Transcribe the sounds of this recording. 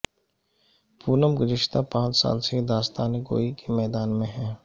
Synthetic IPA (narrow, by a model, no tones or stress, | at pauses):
puːnəmɡʊzɪʃt̪apãːt͡ʃsa̰ːlsed̪aːst̪aːneɡo̰ːikemɛːd̪aːnmẽɦɛː